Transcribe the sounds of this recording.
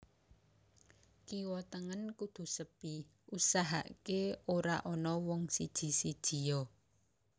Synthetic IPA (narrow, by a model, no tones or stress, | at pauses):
kiwɔt̪əŋənkud̪̥ṳsəpi | usaɦa̰ʔkeoɾaʔɔnɔwɔŋsid̥ʒ̥i̤sid̥ʒ̥i̤jɔ